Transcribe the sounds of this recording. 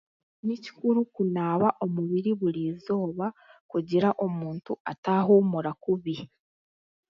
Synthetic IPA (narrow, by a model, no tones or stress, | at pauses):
nici̥kuɾukunaːβaʔo̞muβiɾiβuɾiːzo̞ːβakuɟiɾaʔo̞muːntuataɦomuɾakuβi